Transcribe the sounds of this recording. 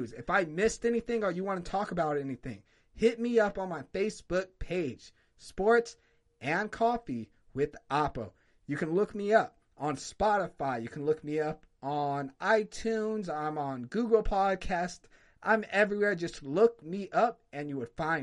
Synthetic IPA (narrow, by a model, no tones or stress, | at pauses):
zɨfaɪmɪstɛniθɪ̃ŋə˞jɨwɑ̃nɨtʰɔkəbaʊɾɛniθɪ̰̃ŋ | hɪt̚miʌpn̩maɪfeɪsb̥ʊk̚pʰeɪd̥ʒ̥ | spɔɹts | ʔɨ̃nkʰɔfi | wɪðʔɑpoʊ | jɨkɨ̃nlʊkmiʌp̚ | ə̃n̩spɑɾəfaɪjɨkʰn̩lʊk̚miʌp | n̩ʔaɪtʰʉ̃nzãɪ̃mə̃nɡuɡl̩ˠpʰɑd̚kʰæst | ʔã̰ɪ̃mɛvɹiwɛɹd͡ʒʌstlʊk̚miʔʌp̚ɨ̃njɨwəd̥fãɪ̃